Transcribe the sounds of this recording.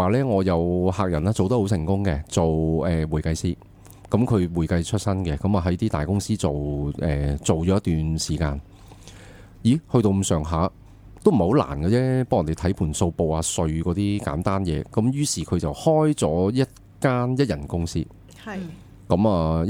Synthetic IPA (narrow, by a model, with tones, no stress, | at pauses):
aː˨˩lɛː˥ŋɔː˨˧jɐ˨˧whaː˨k̚jɐ˨˩naː˥t͡so˨wt̪ɐ˥ho˨˥wsɪ˨˩ŋkʊ˥ŋkɛ˧t͡so˨wɛː˨wuː˨˩jkɐ˧jsiː˥ | kɐ˨˥mkʰɵ˨˧ɥwuː˨˩jkɐ˧jt͡ʃʰɵ˥t̚sɐ˥nkɛ˧kɐ˨˥mɐː˨˩ɦɐ˨˥jt̪iː˥t̪aː˨jkʊ˥ŋsiː˥t͡so˨wʔɛː˨t͡so˨wt͡ʃɔː˨˥jɐ˥t̪yː˨nsiː˨˩ka̰ː˧n | jiː˨˥hɵ˧ɥt̪o˧wm̩˧sœː˨˩ŋɦaː˨˥ | t̪o˥wm̩˨˩ho˨˥wla̰ː˨˩nkɐ˧t͡sɛː˥pːjt̪e˨jt̪ʰɐ˨˥jpʰuː˨˩nso˧wpo˨waː˧sɵ˧ɥkɔː˨˥t̪iː˥ka̰ː˨˥nt̪aː˥njɛː˨˧kɐ˨˥mjyː˥siː˨˩kʰɵ˨˧ɥt͡sɐ˨whɔː˥jt͡sɔː˨˥jɐ˥t̚ | kaː˥njɐ˥t̚jɐ˨˩nkʊ˥ŋsiː˥ | kɐ˨˥maː˨